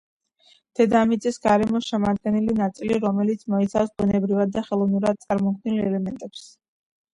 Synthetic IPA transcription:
d̪̥ɛd̪amit̪sʼisɡaɾɛmɔsʃɛmad̪̚ɡɛnilinat̪sʼiliɾɔmɛlit̪sʰmɔit̪sʰafsbunɛbɾivad̪̚ːaχɛlˠɔvnuɾad̪̚sʼaɾmɔkd̪nilɛlɛmɛnt̪ʼɛps

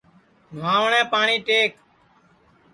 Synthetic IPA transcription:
nʋaːʋɳɛ̃ːpaːɳiːʈeːk

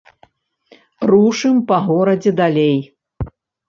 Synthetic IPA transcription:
ruʂɨmpɐɣɔɾɐd͡zʲɛd̪alʲej

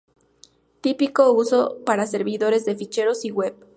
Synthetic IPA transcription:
t̪ipiko̞uso̞paɾase̞ɾβiðoɾe̞zðe̞fit͡ʃe̞ɾo̞siɣwe̞p

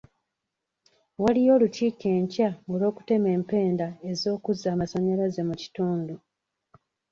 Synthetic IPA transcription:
walijo̞ːlutiːke̞ːɲcaolo̞ːku̥te̞me̞ːmpe̞ːndae̞zo̞ːkuzaːmaso̞ɲeɾaze̞muci̥tuːndu

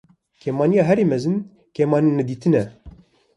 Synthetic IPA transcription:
kʰeːmɑːnijɑːɦɛɾeːmɛzɨn | kʰeːmɑːninɛd̪iːt̪ʰɨnɛ

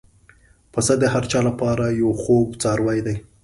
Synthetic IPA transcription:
pəsad̪əhaɾt͡ʃɑlapɑɾajawxobt͡sɑɾwɑjd̪aj

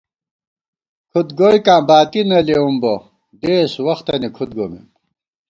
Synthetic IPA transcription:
kʰut̪ɡojkãːbaːt̪inɐleumbo | d̪eːswɐxt̪ɐnikʰut̪̚ɡomḛm

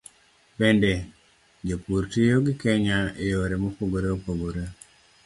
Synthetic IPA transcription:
pende | d͡ʒopuɾtijoɡɪkɛɲaejoɾemopoɡoɾeopoɡoɾe

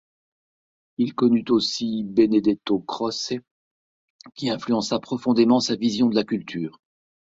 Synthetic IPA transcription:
ilkɔnyt̪osibened̪ɛt̪okχɔse | kʲiɛ̃flyɑ̃sapχɔfɔ̃d̪emɑ̃savizjɔ̃d̪əlakʲylt̪ʰyːʁ

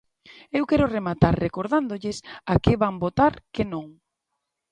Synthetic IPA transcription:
ewkɛɾoremat̪aɾrekoɾðand̪oʎɪsakeβambot̪aɾkenõŋ

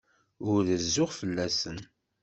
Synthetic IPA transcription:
ʊɾðəzːʊʁfəlːæsən

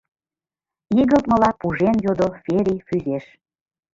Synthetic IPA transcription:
iɣəlt̪̚məlɑpuʒenjod̪ofeɾʲifyzeʃ

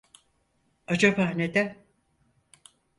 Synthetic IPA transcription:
ad͡ʒabaːned̪ɛ

